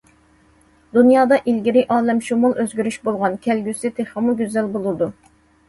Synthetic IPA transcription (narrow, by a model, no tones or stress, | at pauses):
d̪unjɑːd̪ɑʔilɡʲiɾɪʔɑːlɛmʃumulˠøzɡʲyɾyʃbolˠʁɑnkʲʰɛlɡʲysɪt̪ʰeχəmuɡʲyzælbolˠɨd̪u